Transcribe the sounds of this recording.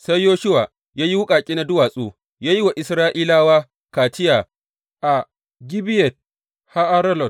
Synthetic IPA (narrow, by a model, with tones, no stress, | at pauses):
sa˦jːoː˦ʃʊ˦wa˨ | jaː˦ji˦wʊ˦kʼaː˨kʲʼi˦na˦dʊ˦waː˨sʼuː˦ | jaː˦ji˦wa˨ʔɪ˨sɾaː˦ʔiː˦laː˦waː˦ | kaː˨tɪ˦ja˨ | ʔa˨ | ɡʲɪ˦bɪ˦jɛ˨t̚ | ha˦ʔa˦ɾɐ˦lɔ˨t